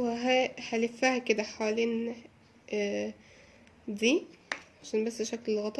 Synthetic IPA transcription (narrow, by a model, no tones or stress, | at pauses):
weɦæħælefːæhæked̪æħawæleːn | d̪iːʔʕaʃæːnbæsːʃæklelɣɑt̪ˤɑ